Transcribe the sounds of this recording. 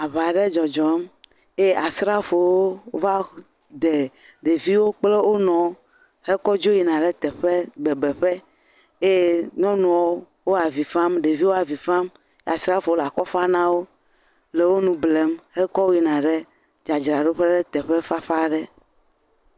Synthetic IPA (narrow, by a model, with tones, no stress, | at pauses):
a˨βa˨ɖɛ˦d͡ʒɔ˨d͡ʒɔ˨˦m | e˦a˨sɾa˦fo˨wo˦wo˦va˦ | d̪e˨ | ɖe˨vi˦wo˦k͡ple˦wʔo˦nɔ̃˨˦ | hɛ˦kɔ˦d͡ʒo˦ji˨nã˨ɖɛ˦t̪ɛ˨ɸe˦ɡ͡bɛ˨bɛ˨ɸɛ˦ | e˦ɲɔ̃˦nũ˨wɔ˦ | wo˦a˨vi˨fã˦mɖe˨vi˦wo˦a˨vi˨fã˦m | e˦a˨sɾa˦fo˨o˦la˨kɔ˦fa˦nã˦wo˦ | le˨wo˦nũ˨ble˨˦mhɛ˦kɔ˦wo˦ji˨nã˨ɖe˦ | d͡ʒa˨d͡ʒɾa˨ɖe˦ɸe˦ɖɛ˦t̪ɛ˨ɸe˦fa˦fa˦ɖɛ˦